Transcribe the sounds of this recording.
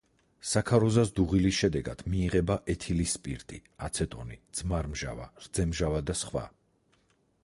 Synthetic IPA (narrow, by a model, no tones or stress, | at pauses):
sakʰaɾɔzasd̪uʁilisʃɛd̪ɛɡad̪̥miːʁɛbaʔɛt̪ʰilispʼiɾt̪ʼiat̪sʰɛt̪ʼɔ̰nid̪z̥maɾmʒa̰va̰ɾd̪z̥ɛmʒavad̪asχwa̰